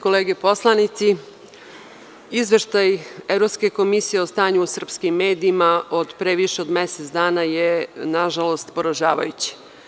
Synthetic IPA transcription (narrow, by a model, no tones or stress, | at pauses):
koleːɡepo̞slˠanit̪si | izʋe̞ʃt̪ajevɾo̞pske̞ko̞misije̞o̞st̪aːɲuːsr̩pskimːe̞ːd̪iːmaod̪pɾe̞ʋiʃeod̪meset̪sd̪aːnajenaʒalo̞st̪po̞ɾaʒaːʋa̰jut͡ɕi̥